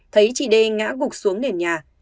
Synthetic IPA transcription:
t̪ʰə˨˦jt͡ɕi˧˩ɗe˧ŋa̰ː˧˥ɣʊ˨˩k̚su˨˦əŋne˨˩nɲaː˨˩

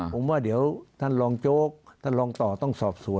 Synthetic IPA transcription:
po˨˦mwaː˧˩di˨˩˦əwt̪ʰa˧˥˩nlɔː˧ŋt͡ɕoː˥˩k̚t̪ʰa˥˩nlɔː˧ŋt̪ɔː˨˩t̪ɔ˥˩ŋsɔː˨˩p̚su˨˩˦

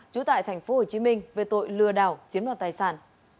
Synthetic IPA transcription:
t͡ɕu˧˦t̪a̰ː˧˨jt̪ʰɛ˨˩jŋ̟fo˨˦ho˨˩t͡ɕi˨˦mï˧ŋ̟ve˨˩t̪o̰˧˨jlɨ˧˩əɗaː˨˩wzi˨˦ənwaː˧˨˩t̪aː˧˩jsaː˧˩n

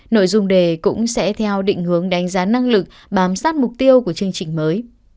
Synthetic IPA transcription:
no̰˧˨jzʊ˧ŋ͡mɗe˨˩kʊ̰˧˥ŋ͡msɛ̰˧˥t̪ʰɛ˧wɗḭ˧˨ŋ̟hɨ˨˦əŋɗa˨˦jŋ̟zaː˨˦na˧ŋlɨ˨˩k̚ | ɓaː˨˦msaː˦˥t̚mʊ˨˩k͡p̚t̪i˧əwku˧˩ət͡ɕɨ˧əŋt͡ɕï˨˩ŋ̟məː˨˦j

